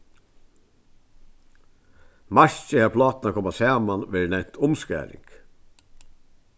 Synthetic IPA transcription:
maʃt͡ʃəhæpʰlɑːt̪nakʰɔmasɑːmanʋeːɹnɛn̥t̪ʊmskæ̰ːɾɪ̰ŋk

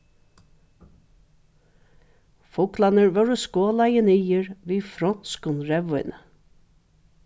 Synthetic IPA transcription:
fʊklanəɹʋœɹʊskoːlɑjənɪjəɹʋiːfɾɔnskʊnɹɛʋʊʏnə

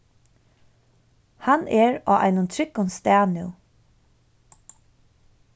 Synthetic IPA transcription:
hanɛɹɔ̰ːʔa̰jnʊnt̪ʰɾɪkːʊnst̪æːnɪw

